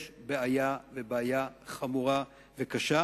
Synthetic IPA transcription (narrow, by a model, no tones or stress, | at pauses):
ʃbeajavebeajaχamuʁa | vekaʃa